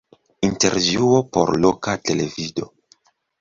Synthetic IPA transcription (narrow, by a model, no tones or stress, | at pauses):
inte̞̰ɾvjuo̞po̞̰ɾlo̞kate̞le̞vido̞